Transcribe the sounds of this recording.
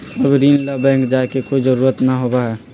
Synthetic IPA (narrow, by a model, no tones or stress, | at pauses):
ɐbɾiːnlabɛ̃ːŋkd͡ʒaːkekoːid͡ʒəɾuːɾət̪naɦoːbaɦɛː